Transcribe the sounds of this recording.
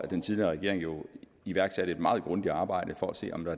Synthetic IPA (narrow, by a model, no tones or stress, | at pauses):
æd̥ent͡sʰiðliɐʁɛɡ̥e̝ɐ̰eŋjo̝ | iʋæɐɡ̥sæɾ̥əe̝d̥mɑ̈ːð̞̩ˠɡ̥ʁɔ̽nd̥i̥ɑ̈ːb̥ɑ̈ɪ̰ɾ̥əfɒæse̝̰ːɒ̽md̥ɑ̈æ